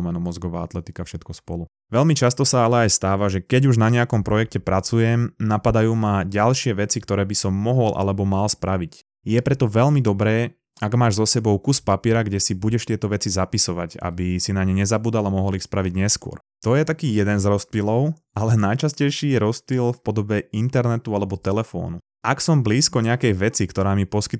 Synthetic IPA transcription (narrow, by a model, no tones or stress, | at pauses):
mɛnɔmɔzɡɔʋaːa̰t̪lɛt̪ikafʃɛt̪kɔspɔ̰lu | ʋɛlmit͡ʃast̪ɔsaalɛajst̪aːʋaʒɛkɛɟuʒnaɲɛakɔmpɾɔjɛk̚cɛpɾat͡sujɛmnapad̪ajuːmaɟalʃɪɛʋɛt͡sikt̪ɔɾɛːbisɔmːɔɦɔlʔa̰lɛbɔmalspɾaʋic | jɛpɾɛt̪ɔʋɛʎmid̪ɔbɾɛː | aɡmaːʒzɔsɛbɔʊkuspapiɛɾaɡɟɛsibuɟɛʃt̪ɪɛt̪ɔʋɛt͡sizapisɔʋaca̰bisinaɲɛɲɛzabuːd̪alamɔɦɔlixspɾaʋiɟɲɛskʊɔ̰ɾ | t̪ɔjɛt̪akiːjɛd̪ɛnzɾɔspilɔʊ | alɛnajt͡ʃascɛjʃiːjɛɾɔspilfpɔd̪ɔbɛint̪ɛɾnɛt̪ualɛbɔt̪ɛlɛfɔ̰ːnu | aksɔmbliːskɔɲɛakɛjʋɛt͡sikt̪ɔɾaːmipɔskit̪